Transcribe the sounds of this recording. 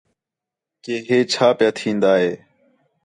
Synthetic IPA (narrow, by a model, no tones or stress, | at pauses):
keːɦeːt͡ʃʰaːpjaːt̪ʰĩːnd̪aːɦeː